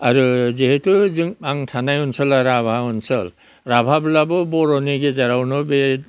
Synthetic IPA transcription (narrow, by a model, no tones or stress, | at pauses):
aɹuziɦetuzɯŋaŋtʰanajunsɔlaɾabʱaunsɔ̰l | ɹabʱabulabɔbɔɹɔniɡezaɾawnɔbe